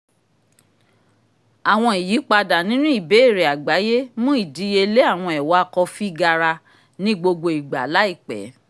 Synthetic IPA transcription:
a˨w̃ɔ̃˧i˨ji˨˦k͡pa˧da˨nĩ˦nũ˦i˦˨be˨˦e˦˨ɾe˨a˨ɡ͡ba˨˦je˦mũ˦i˦˨di˨˦je˧le˦a˦˨w̃ɔ̃˧ɛ˨wa˨˦˧kɔ˧fi˦ɡa˧ɾa˧ | nĩ˦ɡ͡bo˧ɡ͡bo˧i˨ɡ͡ba˨la˨˦i˦˨k͡pɛ̰˨˦

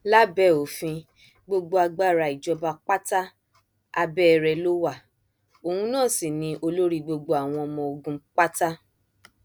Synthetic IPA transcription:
la˦bɛ˦˨o˨fĩ˧ | ɡ͡bo˧ɡ͡bo˧a˧ɡ͡ba˦˨ɾa˧˨i˨d͡ʒɔ˧ba˧k͡pa˦ta˦ | a˧bɛ˦ɛ˧ɾɛ˧lo˦wa˦˨ | o˨hũ˧nãː˦˨si˨nĩ˧ʔo˧lo˦ɾi˧ɡ͡bo˧ɡ͡bo˧˦a˨w̃ɔ̃˧ɔ˧mɔ̃˧o˧ɡũ˧k͡pa˦ta˦

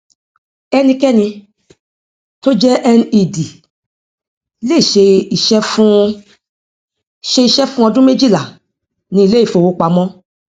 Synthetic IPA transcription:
ɛ˧nĩ˧kɛ˦nĩ˧ | to˦d͡ʒɛ˦ʔɛ˧nĩ˧i˦˨di˨ | le˦i˨ʃe˧i˨ʃɛ˦fũ˦ | ʃe˧i˧ʃɛ˦fũ˦ɔ˧dũ˦me˦d͡ʒi˦˨la˨ | nĩ˧i˧le˦i˦˨fo˨wo˨˦k͡pa˧mɔ̃˦

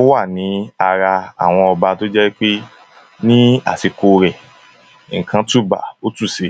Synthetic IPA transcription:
wa˦˨nĩ˨˦a˧ɾa˧a̰˦˨w̃ɔ̃˧ɔ˧ba˧to˦d͡ʒɛ˦wi˦k͡pe˦ | nĩ˦a̰˦˨ti˧ko˧ɾɛ˨ | ŋ̩˨kʰã˧tu˦˨ba̰˨o˦tu˦˨se˧

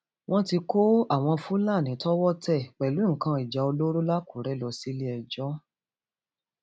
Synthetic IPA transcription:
w̃ɔ̃˦ti˧ko˦a˦˨w̃ɔ̃˧fu˦la˦˨nĩ˨˦tɔ˦wɔ˦tɛ˦˨k͡pɛ˨lu˨˦ŋ̩˨kã˧i˨d͡ʒa˨˧o˧lo˦ɾo˦la˦ku˨ɾɛ˨˦lɔ˧si˦le˦ɛ˨d͡ʒɔ˦

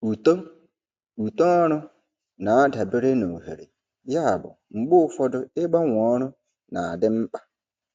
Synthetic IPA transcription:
u˨to˦ | u˨to˦ɔ˦ɾʊ˦ | na˨a˦da˨be˦ɾe˦no˨ɦḛ˨ɾḛ˨ | ja˦a˨bʊ̰˨ŋ͡m̩˨ɡ͡bʊ˦ʊ˦fɔ˦dʊ˦ɪ˦ɡ͡ba˦ŋʷ˨ɔ˦ɾʊ˦ | na˨dɪ˦m̩˦k͡pḁ˦

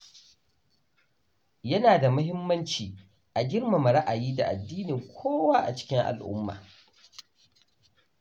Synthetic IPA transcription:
jɐ˦naː˨da˨mɐ˦ɦɪ˦mːɐ˦nt͡ʃiː˨ | ʔa˨ɡʲɪ˦rma˨ma˨ɽa˦ʔa˨jiː˦da̰˨ʔa˨dːiː˦nɪ˨ŋkʷʰoː˦waː˦ʔa̰˨t͡ʃɪ̥˦kʲɪ˦ŋʔa̰˨lʔʊ̰˦mːa̰ː˨

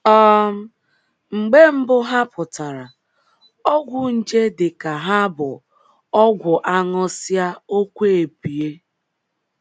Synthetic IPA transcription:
ɔ˦ | ŋ͡m̩˨ɡ͡be˦m̩˦bʊ˦ɦa˦pʊ˨ta˨ɾa˨ | ɔ˦ɡʷʊ˨n̩˨d͡ʒe˦dɪ˨ka˨ɦa˦bʊ˨ | ɔ˦ɡʷʊ˨ʔa˦ŋɔ˦sja˦o˦kʷe˦e˨pi˨e˦

